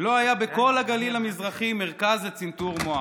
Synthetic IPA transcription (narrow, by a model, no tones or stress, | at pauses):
lo̞ajabeko̞laɡalilamizʁaχime̞ʁkazlet͡sint̪uʁmoa